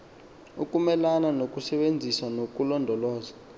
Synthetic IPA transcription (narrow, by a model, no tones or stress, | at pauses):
ukʼumɛlananok̬ʼusɛɓend͡zʱiswanok̬ʼulɔndʱɔlɔːza